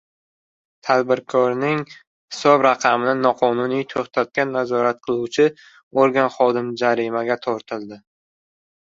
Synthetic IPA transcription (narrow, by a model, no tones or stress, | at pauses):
t̪ʰad̪bɪɾkʰɒɾnɪŋ | hɪsɒbɾaqʰɑmɪnɪnɒqʰɒnʊnijt̪ʰoχt̪ʰat̪̚kʲanːazɒɾat̪̚qʰɨlˠuwt͡ʃʰɪ | oɾɡʲanχɒd̪ɪmd͡ʒaɾɪmaɡʲat̪ʰɒɾt̪ʰɪlˠd̪ɪ